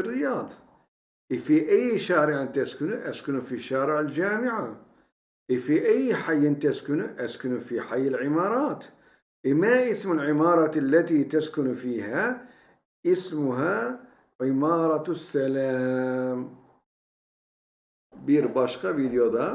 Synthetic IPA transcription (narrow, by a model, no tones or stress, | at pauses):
ɪrːɪjɑːðˤɑ | ʔɪfiʔajːʃaːɾɪʕant̪askʊnuʔaskʊnufiʃːaːɾɪʕɪld͡ʒaːmɪʕa | ʔifiʔajːħajːɪnt̪askʊnuʔaskʊnufiħajːɪlʕɪmɑːɾˤɑːt̪ | ʔɪmaʔɪsmɪlʕɪmɑːɾˤɑːt̪alːat̪it̪askʊnfiːha | ʔɪsmʊɦa | ʕɪmɑːɾˤɑsːalam | biːɾbɑːʃqɑviːd̪jod̪ˤa